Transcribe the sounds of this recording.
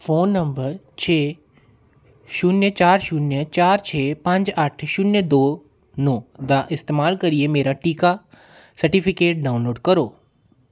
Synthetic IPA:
fʰoːnːɐ̃mbəɾ | t͡ʃʰeː | ʃʊnjət͡ʃaːɾʃʊnjət͡ʃaːɾt͡ʃʰeːpɐ̃ɲd͡ʒaʈʰʃʊnjəd̪oː | nõːd̪aʔɪst̪eːmaːlkɐɾiemeːɾaʈiːka | sɐɾʈipʰikeːʈ̚ɖaːʊnloːɖkɐɾoː

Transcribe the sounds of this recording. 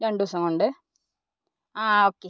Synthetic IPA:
ɾeɳɖuʋɐsɐŋkoɳɖɨ | aːoːkːe

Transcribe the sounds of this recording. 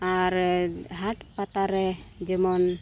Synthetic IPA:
aɾɦaʈpat̪aɾɛd͡ʒəmɔn

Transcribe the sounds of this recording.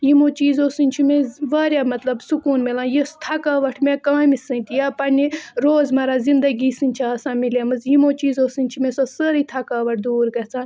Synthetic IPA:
jimoːt͡ʃiːzoːsɨnʲt͡ʃʰimeʋaːɾjaːmɐt̪lɐbsukuːnmilãːjist̪ʰɐkaːʋɐʈʰmẽkãːmisɨnʲt̪ijaːpɐnʲiɾoːzmɐɾaːzind̪ɐɡiːsɨnʲt͡ʃʰaɐːsãːmilemɨzjimoːt͡ʃiːzoːsɨnʲt͡ʃʰimesosɐɾit̪ʰɐkaːʋɐʈ̚ʰd̪uːɾɡɐt͡sʰaːn

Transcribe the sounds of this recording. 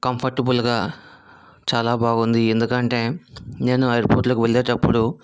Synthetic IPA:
kɐmpʰɐɾʈebulɡaː | t͡ʃaːlaːbaːɡund̪ie̞nd̪ukɐɳʈe̞ːne̞ːnuɐjɐɾpoːɾʈloːkiʋeɭːeːʈɐpːuɽu

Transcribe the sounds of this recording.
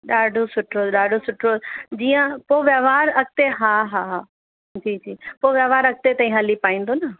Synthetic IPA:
ɗaːɖʱosʊʈɾoːɗaːɖʱosʊʈɾoːd͡ʑiːjə̃poːʋjɐʋaːɾɐk̚t̪eɦaːɦaːɦaː | d͡ʑiːd͡ʑiːpoːʋjɐʋaːɾɐk̚t̪et̪ɐĩɦɐlipaːĩːnd̪onɐ

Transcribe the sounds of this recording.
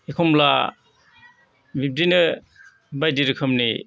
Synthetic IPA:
ekʰɔmla | bip̚dinɯ | bajdiɾɯkʰɯmni

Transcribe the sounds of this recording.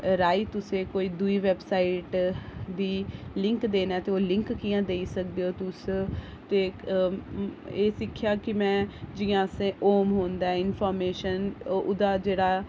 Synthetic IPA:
ɾaːiːt̪ʊsẽːkoːiːd̪uiːʋɛːbsaːiʈd̪iːlɪŋkd̪eːnaːt̪eːoːlɪŋkːɪjãːd̪eːisək̚d̪eːoːt̪ʊs | t̪eː | eːsɪkʰːjaːkɪmɛ̃ːd͡ʒɪjãːsẽːoːmɦoːnd̪aːɛɪnpʰɔːɾmeːʃənʊd̪aːd͡ʒeːɽaː

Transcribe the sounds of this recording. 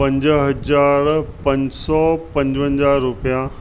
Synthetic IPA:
pɐ̃ɲd͡ʑɦɐd͡ʑaːɾpɐ̃ɲd͡ʑsɔpɐ̃ɲd͡ʑʋə̃ɲd͡ʑaːɾːupija

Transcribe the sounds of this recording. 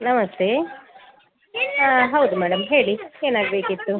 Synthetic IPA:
nɐmɐst̪ʰe | aɦɐwd̪umæːɽɐmɦe̞ːɭieːnaːɡbe̞ːkit̪ːu

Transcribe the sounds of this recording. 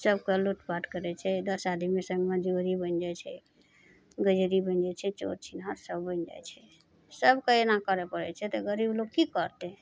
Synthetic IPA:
səbkəluʈpaʈkəɾɛt͡ʃʰɛd̪əsad̪imesə̃ŋɡmad͡ʒoɾibənd͡ʒat͡ʃʰɛ | ɡəd͡ʒəɾibənd͡ʒɛt͡ʃʰɛt͡ʃo̰ɾt͡ʃʰinaɾsəbːənd͡ʒa̰jt͡ʃʰɛ | səbkəenakəɾɛpəɽɛ̰t͡ʃʰɛt̪ɔɡəɾibloɡ̚kikəɾt̪ɛ

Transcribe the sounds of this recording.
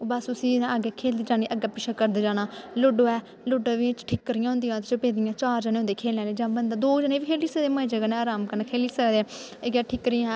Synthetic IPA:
oːbəsʊsĩːaɡɛːkʰeːld̪iːd͡ʒaːniːʔəɡɛːpɪʃʰaːkəɾd̪eːd͡ʒaːnaːlʊɖoːɛː | lʊɖaːʋĩt͡ʃʈʰiːkːəɾɪjãːɦʊ̃nd̪ijãːt̪et͡ʃoːpeːd̪ijãːt͡ʃaːɾd͡ʒənẽːɦʊnd̪eːkʰeːlãːleːd͡ʒãːbənd̪aːd̪oːd͡ʒəneːʋiːkʰeːliːsed̪eːməd͡ʒəɡənɛ̃aːɾaːmkənakʰeːliːsəɾd̪e | ɪɡɛːʈʰɪːkɾɪːãːɛː

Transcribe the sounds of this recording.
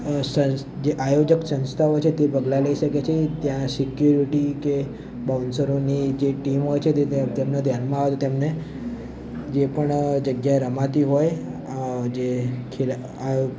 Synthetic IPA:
sə | d͡ʒeʔajod͡ʒəksə̃nst̪ʰaʋot͡ʃʰet̪ebəɡlaləiʃəket͡ʃʰet̪jãsikjuɾiʈike | bawnsəɾonid͡ʒeʈimɦojt͡ʃʰet̪et̪emnod̪ʱjanmãaʋet̪ot̪emne | d͡ʒepəɳd͡ʒəɡjaeɾəmat̪iɦoj | d͡ʒekʰel | a

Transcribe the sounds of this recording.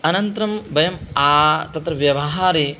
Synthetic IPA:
ɐnɐnt̪ɾɐmbʱɐjɐmaːt̪ɐt̪ɾɐʋjɐʋɐɦaːɾi

